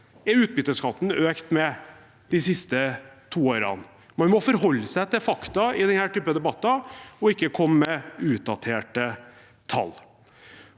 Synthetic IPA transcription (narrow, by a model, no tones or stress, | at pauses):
ɛʉːt̪̚bʏt̪ːəskʰɑt̪ːn̩øːkt̪mɛ | d̪̥ɪsɪst̪ət̪ʰuːoːɾɑ̰n | mɑnmɔfɔɾɦɔlːəsæɪt̪ʰɪfɑkt̪ɑɪd̪ɛnhæːʈyːpəd̪ɛbɑt̪ːɑɔɪkːəkʰɔməmɛʉːt̪̚d̪ɑt̪ʰeːʈə | t̪ʰɑ̰lː